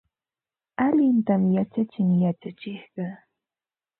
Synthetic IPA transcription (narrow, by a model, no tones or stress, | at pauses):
aʎɪnt̪amjat͡ʃat͡ʃɪŋjat͡ʃat͡ʃɪhɢɑ